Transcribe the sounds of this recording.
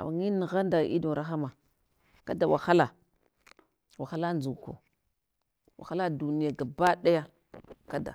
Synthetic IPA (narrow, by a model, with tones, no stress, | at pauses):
a̰˨wŋi˦ni˨ɣa˦nda˨ḭ˦do˨ɾa˦xa˦ma˨ | ka˦da˨wa̰˨xa˦la˨ | wa˨xa˦la˦nd͡zu˨ko̰˨ | wa̰˨xa˦la˦du˨ni˦ja˨ɡa˨ba˦ɗa˦ja˦ | ka˦da̰˨